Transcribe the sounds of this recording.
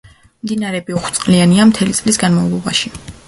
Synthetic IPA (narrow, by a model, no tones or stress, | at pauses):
md̪inaɾɛbiuχwt̪sʼqʼlianiamt̪ʰɛlit̪sʼlisɡanmavlˠɔba̰ʃi